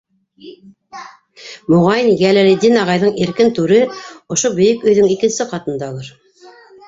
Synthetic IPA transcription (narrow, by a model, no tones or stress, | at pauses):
moʁɑjnɡælælɘ̆d̪inɑʁɑjðɤɴiɾkɘnt̪ʉɾɘŏʃobɵ̆jɘkɵ̆jðɘŋikɘ̆nsɘqɑt̪ɤ̆nd̪ɑlˠɤɾ